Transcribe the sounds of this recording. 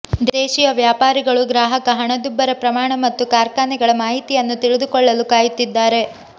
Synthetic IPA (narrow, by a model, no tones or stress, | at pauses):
d̪ɛːʃijɐʋjaːpaːɾiɡɐɭuɡɾaːɦɐkɐɦɐɳɐd̪jubːɐɾɐpɾɐmaːɳɐmɐt̪ːukaːɾkaːnɛɡɐɭɐmaːɦit̪ijɐnːut̪iɭid̪ukɔɭːɐlukaːjut̪ːid̪ːaːɾe̞